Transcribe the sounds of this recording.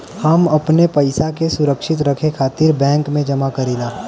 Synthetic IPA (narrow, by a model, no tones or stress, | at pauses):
hɐmɐpnepɐɪsakesʊɾəkʃɪt̪ɾəkʰekʰaːt̪iɾbɛ̃ːŋkmẽd͡ʒɐmakɐɾiːlaː